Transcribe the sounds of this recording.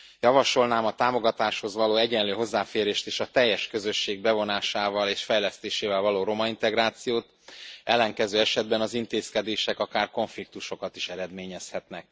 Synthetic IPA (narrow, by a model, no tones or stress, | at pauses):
jɒvɒʃo̞lnaːmɒt̪aːmo̞ɡɒt̪aːʃho̞zvɒloːɛɟɛnløːɦo̞zːaːfeːɾeːʃt̪eːʃɒt̪ɛjːɛʃkø̞zø̞ʃːeːɡ̚bɛvo̞naːʃaːvɒleːʃfɛjlɛst̪eːʃeːvɛlvɒloːɾo̞mɒint̪ɛɡɾaːt̪sijoːt̪ | ɛlːɛŋkɛzøːɛʃɛd̪bɛnɒzint̪eːskɛd̪eːʃɛkɒkaːrko̞ɱflik̚t̪uʃo̞kɒt̪iʃɛɾɛd̪meːɲɛshɛt̪nɛk̚